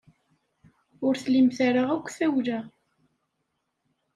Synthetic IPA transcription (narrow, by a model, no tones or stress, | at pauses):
ʊɾθlimθaɾaʁækʷːθæwlæ